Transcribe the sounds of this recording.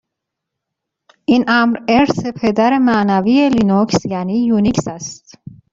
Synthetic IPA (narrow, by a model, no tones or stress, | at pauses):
ʔinʔæmɾeɾsepʰe̞d̪æɾemæːnævijelinokʰsjæniːjunikʰsæst̪